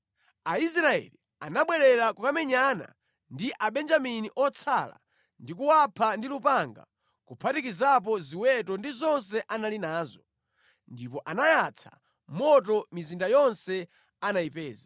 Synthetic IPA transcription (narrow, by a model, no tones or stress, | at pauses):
ais̬ɾaɛ̰li | anaɓwɛɾɛɾakukamɛɲana̰ | ndiʔaɓɛnd͡ʒaminiʔɔt͡sʰala̰ | ndik̬uwapʰandilupaŋɡa̰ | kupʰatikizap̬ɔziwɛtɔndizɔns̬ɛʔanalinaːzɔ | ndipɔʔanajat͡sʰḁ̰ | mɔt̬ɔmizindajɔnsɛ | anaipɛːza